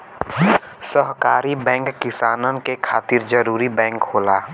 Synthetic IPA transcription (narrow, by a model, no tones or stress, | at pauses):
səɦkaːɾibɛ̃ːŋkːɪsaːnənkekʰaːt̪ɪɾd͡ʒəɾuːɾibɛ̃ːŋkɦoːlaː